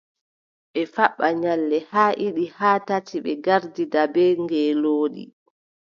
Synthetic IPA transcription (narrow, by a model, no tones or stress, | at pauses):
ɓɛfaɓːaɲalːɛhaːʔiɗihaːtatiɓɛ̰ɡaɾdidabɛŋɡɛːloːɗḭ